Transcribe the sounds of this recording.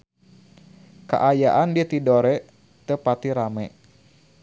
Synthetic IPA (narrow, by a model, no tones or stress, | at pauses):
ka̰ʔajaʔandit̪idoɾɛ | t̪əpat̪iɾamɛ